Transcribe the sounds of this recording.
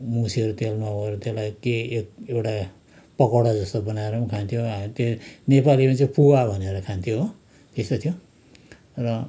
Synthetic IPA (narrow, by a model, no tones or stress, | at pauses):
musiʌɾut̪elmaoeɾʌt̪elajkeek̚ewʈa | pʌkʌɽʌd͡zʌst̪obʌnaeɾʌmkʰant̪ʰijoat̪enepalimʌt͡sʌ̃puwabʱʌneɾʌkʰant̪ʰjoɦ | t̪est̪ot̪ʰijo | rʌ